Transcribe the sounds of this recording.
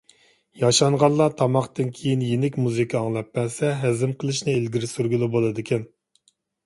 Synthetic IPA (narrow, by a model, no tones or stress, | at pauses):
jɑʃɑɴʁɑnlˠːɑt̪ʰɑmɑχt̪ɨnkʲʰejinjenɪkʲmuzikʰɑɑŋlˠɑpːɛnsɛɦæzɪmqʰəlˠɨʃnɨelɡʲiɾɪsyɾɡʲylˠɪbolˠɨd̪ɪkʲʰɛn